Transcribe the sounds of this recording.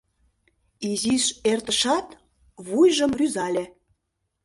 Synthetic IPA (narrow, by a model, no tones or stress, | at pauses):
iziʃert̪əʃɑt̪ | βujʒəmryzɑlʲe